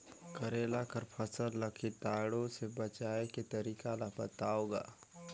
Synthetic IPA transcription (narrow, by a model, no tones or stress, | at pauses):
kəɾeːlakəɾpʰəsəɾləkʰit̪aːɽõsebət͡ʃaːeket̪əɾiːkalabət̪aːoɡa̰ː